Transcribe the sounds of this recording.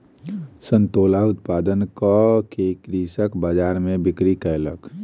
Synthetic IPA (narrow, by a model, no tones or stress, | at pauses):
sə̃nt̪oːlaʊt̪̚paːd̪ənkakekɾisəkbəd͡ʒaːɾmẽbɪkɾikɛlək